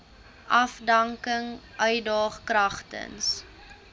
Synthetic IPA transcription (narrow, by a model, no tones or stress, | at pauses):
ʔɐfdɐŋkəŋʔœɥdɑːχkrɐχtə̰ns